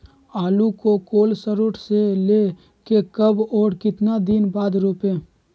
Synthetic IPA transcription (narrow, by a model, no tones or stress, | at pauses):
aːlukokoːlsəɾʊʈʰseleː | kekəbɔːɾkɪt̪nad̪inbaːd̪ɾoːpẽː